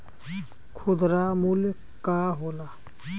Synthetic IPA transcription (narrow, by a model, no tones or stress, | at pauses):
kʰʊd̪ɾaːmul | kaːɦoːlaː